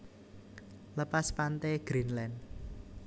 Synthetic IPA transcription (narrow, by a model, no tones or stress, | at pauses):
ləpaspant̪eɡ̥ɾinlɛn